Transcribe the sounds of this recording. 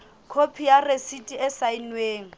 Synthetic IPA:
kʰopʰijaresitʼiɛsainweːŋ̩

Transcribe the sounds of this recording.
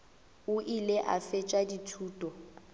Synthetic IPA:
ʊʔileʔa̰fɛt͡ʃʼaditʰuːtʼɔ

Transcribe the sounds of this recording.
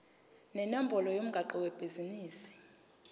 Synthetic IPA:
nɛnambʱɔlɔjom̩ɡʱaǃɔwɛb̥ʱiziniːsi̥

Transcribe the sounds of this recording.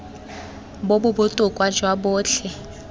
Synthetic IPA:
bobʊbʊtʼʊkʼwad͡ʒwabʊːɬʰɛ

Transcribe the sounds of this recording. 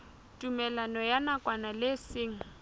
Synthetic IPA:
tʼumɛlanɔjanakʼwanalesɪːŋ̩

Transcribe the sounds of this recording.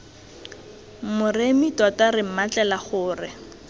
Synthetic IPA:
mʊremitɔtarɪm̩mat͡ɬʼɛlaχʊːrɪ

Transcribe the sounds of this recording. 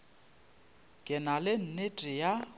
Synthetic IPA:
kʼɪnalɪn̩netʼɪja

